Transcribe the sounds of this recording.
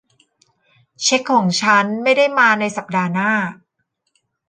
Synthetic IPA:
t͡ɕʰe˦˥kʰːɔː˩˦ŋt͡ɕʰa˦˥nma˥˩jda˥˩jmaː˧na˧jsa˨˩p̚daː˧naː˥˩

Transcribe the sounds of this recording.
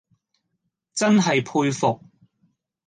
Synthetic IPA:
t͡sɐ˥nɦɐ˨jpʰuː˧jfʊ˨k̚

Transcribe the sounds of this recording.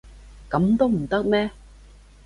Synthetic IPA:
kɐ˨˥mt̪o˦˥m̩˨˩t̪ə˦˥k̚nɛ˦˥

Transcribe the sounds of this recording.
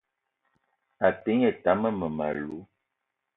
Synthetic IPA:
a˨pi˨˦ŋe˨ta˨˦mə˦mə˨ma̰˨lu˨˦

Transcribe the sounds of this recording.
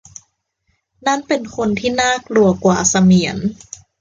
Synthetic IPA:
na˥˩˨npe˧nkʰo˧nt̪ʰiː˥˩naː˥˩k̚lu˧ɐkwaː˨˩sa˧mi˩˦ən

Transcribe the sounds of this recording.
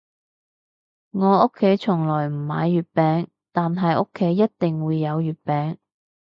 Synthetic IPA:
ŋɔː˨˧ʊ˥kʰːe˨˥jt͡ʃʰʊ˨˩ŋlɔː˨˩jm̩˨˩maː˨˧jːyː˨t̚pɛː˨˧ŋ | t̪aː˨nɦɐ˨jʊ˥kʰːe˨˥jːɐ˥t̚t̪ɪ˨ŋwuː˨˧jːɐ˨˧wjyː˨˩t̚pɛː˨˥ŋ

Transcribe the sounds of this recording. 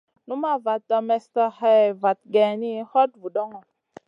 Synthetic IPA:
nu˦ma˦˨va˨tːɔ˧mɛ˨stɔ˦ha˦˨va˨t̚ɡɛ˨ni˦hɔ˦t̚vu˨dɔ˦ŋɔ˨

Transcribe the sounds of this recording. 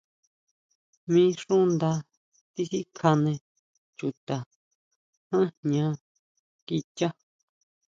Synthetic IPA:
mĩː˦ʂũ˦nd̪a˧ | t̪i˦xi˦kʰa˧nẽ˧ | t͡ʃu˨t̪a˨ | hã˦ɲã˧˦ | ki˧tʲa˦

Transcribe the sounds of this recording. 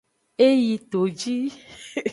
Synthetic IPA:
e˦ji˨t̪o˨d͡ʒi˦

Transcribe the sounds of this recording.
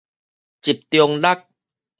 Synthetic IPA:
t͡ɕi˨˩p̚t̪jo˧ŋla˦˩k̚

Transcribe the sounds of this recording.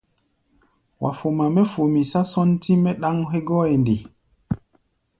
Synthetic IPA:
wʔa̰˨fo˨ma˨mɛ˦fo˨mi˨sa˦sɔ˦nti˦mɛ˦ɗa˦ŋɦe˦ɡɔ˦e˨ndi˨

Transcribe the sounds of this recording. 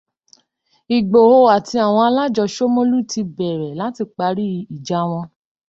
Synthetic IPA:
i˨ɡ͡bo˨ho˧a˨ti˧a˦˨w̃ɔ̃˧a˧la˦d͡ʒɔ˧ʃo˦mõ˦lu˦˨tʰi˧bɛ˨ɾɛ˨la˨˦ti˧k͡pa˨˧˦ɾi˦˧˦i˨d͡ʒa˨˦w̃ɔ̃˧

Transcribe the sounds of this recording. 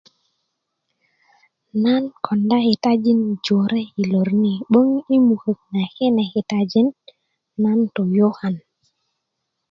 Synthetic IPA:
na˦nkʰɔ˨nda˦he˨ta˦d͡ʒi˦nd͡ʒo˨ɾe˦i˨lo˨ɾni˨ɓo˦ŋi˦mu˨hə˨k̚na˨ke˦na˨he˨ta˨d͡ʒi˦nː | a˦nto˨jo˦ha˨n

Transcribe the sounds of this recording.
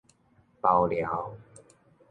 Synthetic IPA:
pa˨˩wlja˨˦w

